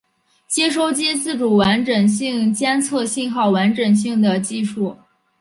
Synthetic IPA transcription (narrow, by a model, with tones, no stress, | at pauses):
t͡ɕjɛ˥ʂ̬o˥ʊt͡ɕi˥t͡sɹ̩˥˩ʈ͡ʂu˨˩wa˧˥nʈ͡ʂə˨˩ŋɕ̬i˥˧ŋt͡ɕjɛ˥nt͡sʰɤ˥˧ɕi˥˧nxɑ˥˩ʊwa˧˥nʈ͡ʂə˨˩ŋɕ̬i˥˩ŋd̪ə˩t͡ɕi˥˧ʂu˥˩